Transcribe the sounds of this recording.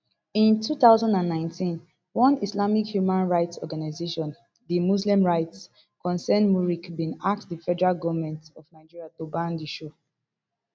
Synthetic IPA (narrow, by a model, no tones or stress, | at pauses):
ĩntʰuθaʊzãndãnːãɪ̃ntĩn | wɔ̃nislamikhjumãnɹaɪtsɔɡanaɪzeʃɔ̃n | ðimuslĩmɹaɪts | kɔ̃nsɛ̃nmuɹikbĩnak̚tðifɛdɛɹalɡɔvmɛ̃ntɔvnaɪd͡ʒiɹiatobãndiʃo